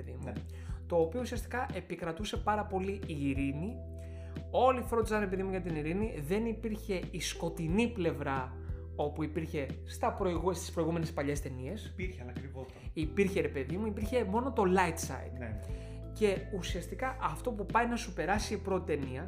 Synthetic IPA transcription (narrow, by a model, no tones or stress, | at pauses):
eðimu | t̪o̞ːpiousiɐst̪i̥kɐʔe̞pikɾɐt̪use̞pɐɾɐpo̞liiːɾini | o̞lifɾod̪isɐne̞piðimuʝɐt̪iniɾiniðe̞nipiɾçe̞isko̞t̪iniple̞vɾɐ | o̞puipiɾçe̞st̪ɐpɾoiɣust̪i̥spɾo̞iɣume̞nespɐʎe̞st̪e̞nie̞siɾçnɐkɾivo | ipiɾçe̞ɾe̞pe̞ðimuipiɾçe̞mo̞no̞t̪o̞lɐit̪sɐ̰ḭd̪ | ce̞usiɐst̪ikɐʔɐft̪o̞pupɐjnɐsupe̞ɾɐsipɾo̞t̪it̪e̞niɐ